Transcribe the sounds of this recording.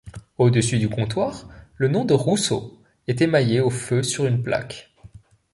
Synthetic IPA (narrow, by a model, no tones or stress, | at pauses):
od̪əsyd̪ykɔ̃t̪waːʁlənɔ̃d̪əʁuso̰ | ɛt̪ɛmajeoføsyʁynplʔa̰k